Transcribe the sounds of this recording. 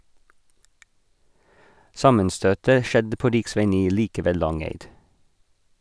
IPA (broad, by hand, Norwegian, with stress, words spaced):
ˈsɑmənˌstøːtə ˈʃɛdə ˈpoː ˈɾɪkˌsʋæɪ ˈniː ˈliːkə ˈʋeː ˈlɑŋæɪd